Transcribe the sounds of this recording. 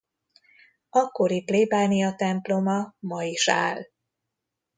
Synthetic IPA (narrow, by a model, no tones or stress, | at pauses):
ɒko̞ɾipleːbaːnijɒt̪ɛmplo̞mɒmɒiʃaːl